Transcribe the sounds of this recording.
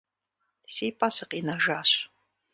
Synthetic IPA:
siːpʰʼasɨqiːnɐʒaːɕ

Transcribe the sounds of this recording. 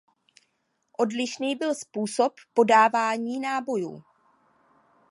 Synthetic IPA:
ʔo̞dlɪʃniːbɪlspuːso̞pːo̞daːvaːɲiːnaːbo̞jṵː

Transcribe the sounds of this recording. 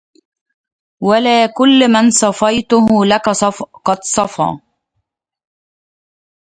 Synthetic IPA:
walaːkʊlːmɪnsˤɑfɑjt̪ʊɦʊlakasˤɑfqɑd̪sˤɑfɑ̰ː

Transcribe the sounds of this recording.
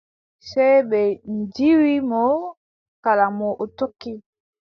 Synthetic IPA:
sebɛendiwimo | kalamɔʔotoki

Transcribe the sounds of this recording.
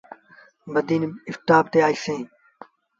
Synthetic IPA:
bɐd̪iːnɪft̪aːb̚t̪eːaːisẽː

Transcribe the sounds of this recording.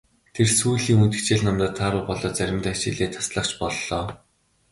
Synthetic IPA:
t̪ʰersuːɮiːŋunt̪ɘ̆kt͡ɕeːɮnɔmt̪ə̆t̪ʰːaːɾʊːpɔɮɔːt͡sæɾʲɪ̆mt̪ːat͡ɕɪ̰ɮeːt̪ʰḁsɮə̆χt͡ɕpɔɮːɔː

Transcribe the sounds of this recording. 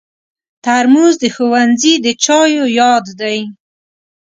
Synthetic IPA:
t̪aɾmuzd̪əxowanzid̪ət͡ʃɑjojɑd̪ːaj

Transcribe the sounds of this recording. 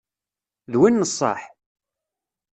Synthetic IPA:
ðwinːəsˤːɑ̰ħ

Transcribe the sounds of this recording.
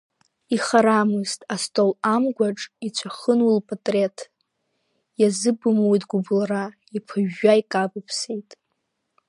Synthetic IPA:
iχaɾamɨztʼastʼolamɡʷaʈ͡ʂʼit͡ɕʷʰaχənwulpʼatʼretʰ | jazɨbɨmojtʼɡʷʊblara | ipʰɨʒːaikʼabɨpʰsejtʼ

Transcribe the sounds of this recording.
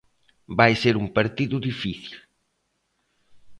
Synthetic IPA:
bajseɾumpaɾt̪iðʊðifiθil

